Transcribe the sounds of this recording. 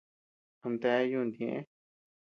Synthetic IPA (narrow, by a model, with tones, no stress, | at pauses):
a˧nd̪e˧˦jũ˦˧nd̪ẽ˨ʔḛ̃˦